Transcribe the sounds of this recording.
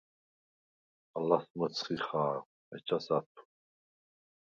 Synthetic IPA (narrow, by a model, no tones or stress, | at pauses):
alasmət͡sʰχiχaː | ɛ̰t͡ʃʰʼasat̪ʰu̥